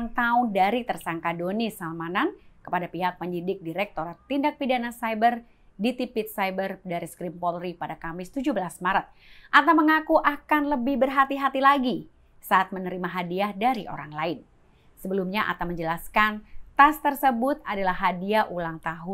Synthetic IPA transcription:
ŋt̪aʊndaɾit̪ərsaŋkadonisalmanankə̥padapiɦak̚pəɲd͡ʒidɪk̚diɾɛk̚t̪oɾat̪ːindak̚pidanasajbər | dit̪ipɪt̪̚sajbərdaɾiskɾimpolripadakamɪst̪ud͡ʒubəlasmaɾat̪̚ | ʔat̪awməŋakuʔakanləbɪhbərɦat̪iɦat̪ilaɡi | saat̪̚mənəɾimaɦadiahdaɾiʔo̰ɾaŋlaɪn | səbəlumɲaʔa̰t̪awməɲd͡ʒəlaskant̪ast̪ərsəbʊt̪̚adalahɦadiaʔulaŋt̪aɦʊ

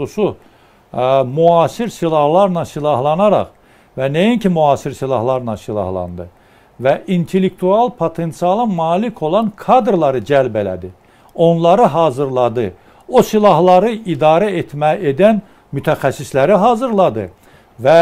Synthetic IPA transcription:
usu | muɑːsiɾsilˠɑhlˠɑɾnɑsilˠɑɦlˠɑnɑɾɑ̰χ | vænejincimuɑːsiɾsilˠɑhlˠɑɾnɑnsilˠɑ̰hlˠɑ̰nd̪ɯ̰ | væʔint̪ʰelːek̚t̪ʰuɑlˠpʰot̪ʰe̞nt̪siɑlˠɑmɑːlikʰo̞lˠɑnkʰɑd̪ɾlˠɑɾɯd͡ʒælbelæ̰d̪i | o̞nlˠɑɾɯɦɑːzɯɾlˠɑd̪ɯ | osilˠɑɦlˠɑɾɯid̪ɑːɾæet̪ʰmæed̪æn | myt̪ʰæxæsːislæɾiɦɑːzɯɾlˠɑd̪ɯ̰ | væ

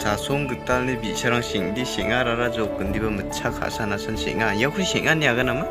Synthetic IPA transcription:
sasɔŋɡɯtalnibisaɾaŋseŋdiseʔ̚ŋaɾaɾazɔk̚ɡɯndibɐmɯt͡ʃʰakʰa̰ʔsanasɯnsḛʔ̚ŋajakʰɯjseʔ̚ŋaniaɡanama

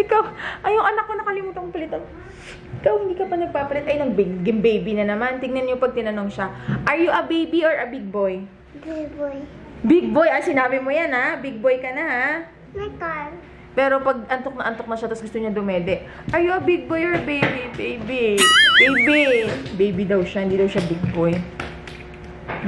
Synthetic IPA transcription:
ʔɪkawʔɐjʊŋʔɐnɐk̚ːonɐkɐlɪmuːt̪ɐnpɐlɪt̪on | ʔɪkawhɪnd̪iːkɐpɐnɐɡ̚paːpɐlɛt̪ʔɐjnɐɡ̚bɪɡɡɪmbejbinɐnɐmant̪ɪŋnɐnɲopɐɡ̚t̪ɪnɐno̞ŋʃaʔɐɹjʊʔɐbejbioɹʔɐbɪɡ̚bo̞j | bɛboj | bɪɡ̚bo̞jʔasɪnaːbɪmojanhabɪɡ̚bojkɐnɐha | mɐjt̪an | pɛːɾo̞pɐɡ̚ʔɐnt̪ok̚nɐʔɐnt̪ok̚nɐʃat̪ɐsɡʊst̪oɲad̪ʊmɛːd̪ɛʔ | ʔɐɹjʊɐbɪɡ̚bojoɹɐbejbibejbibejbibejbid̪ɐwʃahɪnd̪iːd̪ɐwʃabɪɡ̚boj

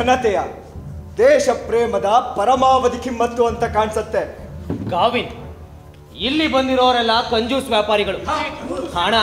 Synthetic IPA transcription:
ɐnɐt̪ɛjɐ | d̪ɛːʃɐpɾeːmɐd̪ɐpɐɾɐmaːʋɐd̪ikʰimːɐt̪ːuɐnt̪ɐkaːɳsɐt̪ːeɡaːʋin | ilːibɐnd̪iɾoːʋɐɾɛlːɐkɐɲd͡ʒuːsʋjaːpaːɾiɡɐɭu | haːɳa

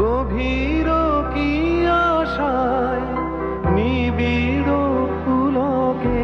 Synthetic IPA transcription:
ɡobʱi | ɾokiaʃaj | nibiɾopulɔke

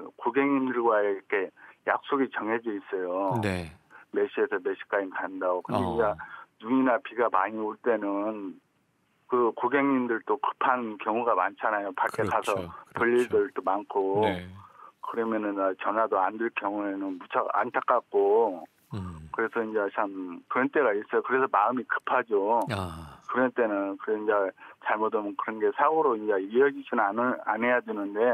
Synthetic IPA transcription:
koɡe̞ŋɲimdɯɭɡwaeɾʌkʰe̞ja̰k̚s͈oɡit͡ɕʌŋɦed͡ʑiis͈ʌjonme̞ɕʰiesʰʌmeɕʰi̥k͈ad͡ʑinkanndaɡokɯndeind͡ʑanuɲinapiɡamaɲioɭt͈e̞nɯn | kɯkoɡeŋɲimdɯɭt͈okɯ̥pʰankjʌŋuɡamant͡ɕʰanajopaɭk͈ekasʰʌpɯʎːiɭdɯɭt͈omankʰo | kɯɾʌmjʌnɯnat͡ɕʌnɦwadoandɯɭkjʌŋue̞nɯnmut͡ɕʰaa̰ntʰak͈ak̚k͈o | kɯɾe̞sʰʌind͡ʑe̞t͡ɕamkɯɾʌnt͈e̞ɣais͈ʌjokɯɾe̞sʰʌmaɯmikɯ̥pʰad͡ʑo | kɯɾʌnt͈e̞nɯnkɯɾind͡ʑet͡ɕaɭmodomnkɯɾʌnɡe̞sʰaɡoɾoind͡ʑeiʌd͡ʑiɕ͈inɯnanɯa̰nɦe̞jadwenɯnde̞

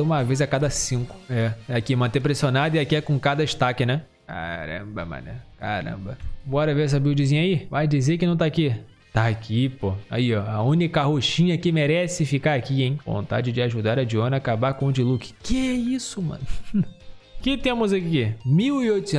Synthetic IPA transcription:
ũmɐvejzɐkad̪ɐsĩkʊ̥ɛɛakimɐ̃nt̪epɾesionad̪ʊɪakiɛkõkad̪ɐɪʃt̪akɪnɛ | ka̰ɾɐ̰̃bɐmɐ̰̃nɛkaɾɐ̰̃bɐ̃bɔɾɐves̬abiʊd͡ʒizĩɲɐivajd͡ʒizekɪnɐ̃w̃t̪aki | t̪aːkʰipoa̰iɔaũnikɐɦoʃĩɲɐkɪmeɾɛsɪfikaɾakiẽj̃võ̰nt̪a̰d͡ʒɪd͡ʒɪaʒud̪aɾɐd͡ʒiõnɐaːkabaɾkõʊd͡ʒɪlukɪ̥kɪɛisʊmɐ̰̃nʊ | kɪt̪ẽmʊzakimiwɪojt̪ʊs

